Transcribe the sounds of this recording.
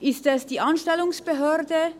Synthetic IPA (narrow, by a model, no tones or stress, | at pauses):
ʔɪstɛsd̥iːʔanʃtɛlʊŋsb̥əɦøːʁdə